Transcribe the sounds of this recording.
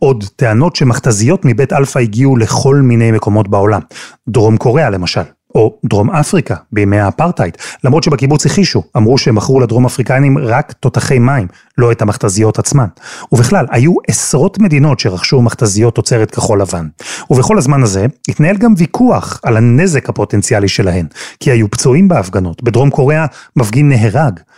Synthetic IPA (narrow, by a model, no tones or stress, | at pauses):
o̞dte̞ano̞tʃe̞maχtazijo̞tmibetalfaiɡiuleχo̞lmine̞jme̞ko̞mo̞tbao̞lamdʁo̞mkʰo̞ʁe̞alemaʃal | o̞dʁo̞mafʁikabemeapaʁtajtlamʁo̞tʃebekibut͡shiχiʃuamʁuʃeemaχʁuladʁo̞maːfʁikanimʁakto̞taχe̞jmaim | lo̞ethamaχtazijo̞tat͡smanuviχlalajuʔesʁo̞tme̞dino̞tʃeʁaχʃumaχtazijo̞tːo̞t͡se̞ʁetkeχo̞lavanuveχo̞lazmanaze̞itnae̞lɡamvikʰuaχalane̞ze̞khapo̞tent͡sialiʃe̞laɦe̞nkiajupt͡suimbeafɡano̞tbedʁo̞mko̞ʁe̞amafɡinːeɦeʁaɡ